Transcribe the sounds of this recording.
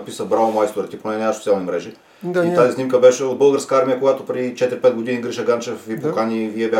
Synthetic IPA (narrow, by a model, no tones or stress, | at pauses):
pisəbɾavomajst̪oɾt̪iponɛnʲaəʃt̪so̥t̪ʲalˠnimɾɛʒi | it̪azisnimkəbɛʃɛod̪̚bəlˠɡəɾskəaɾmijəkoɡat̪opɾɛit͡ʃɛt̪iɾipɛd̪̚ɡod̪iniɡɾiʃəɡant͡ʃɛfipokaniviɛbʲja